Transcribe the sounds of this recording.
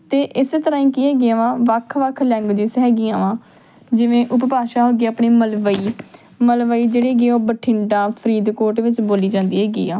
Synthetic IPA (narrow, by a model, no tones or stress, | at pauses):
t̪eːʔɪseːt̪əɾãːĩːkiːɦɛːɡeãːʋãːʋəkʰʋəkʰlɛ̃ːŋɡd͡ʒisɦɛːɡɪ̃ːãːʋãː | d͡ʒɪʋẽːʔʊppaːʃaːɦoːɡiːaːpɳiːməlʋəiː | məlʋəiːd͡ʒeːɽeːɡeːoːbəʈʰɪɳɖãːpʰəɾiːd̪koːɾʈʋɪt͡ʃboːliːd͡ʒãːnd̪iːɦɛːɡḭːãː